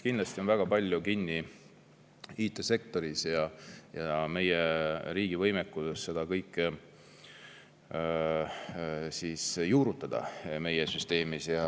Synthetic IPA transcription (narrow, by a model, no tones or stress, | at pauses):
kinlɑst̪io̞nvæɡ̥ɑpɑlʲjukinʲːi | iːt̪ːˑe̞se̞k̚t̪o̞ɾisjɑjɑme̞jeɾiːɡ̥ivɤjmekːˑusesːe̞d̪̥ɑkɤjkːˑ | sisjuːɾut̪ːˑɑd̪̥ɑ̰me̞jesyst̪e̞ːmisjɑ